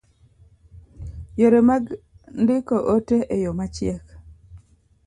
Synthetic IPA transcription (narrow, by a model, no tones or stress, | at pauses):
joɾemaɡ | ndɪkoʔoteʔejomat͡ʃɪɛk